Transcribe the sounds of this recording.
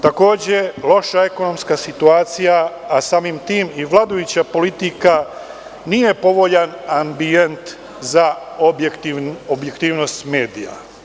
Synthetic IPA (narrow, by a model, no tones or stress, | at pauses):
t̪ako̞ːd͡ʑelˠo̞ʃae̞ko̞no̞mskasit̪uaːt̪sijaːsaːmimt̪iːmiʋlˠaːd̪ojut͡ɕapo̞lit̪ika | nije̞po̞ʋo̞ʎanambie̞nt̪ | za | objekt̪iobjekt̪iːʋno̞st̪meːd̪ija̰